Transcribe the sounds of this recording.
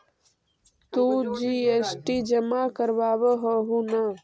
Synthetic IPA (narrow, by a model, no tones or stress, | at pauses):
t̪ũːd͡ʒiːesʈid͡ʒəmakəɾʋaːʋəɦəɦũnə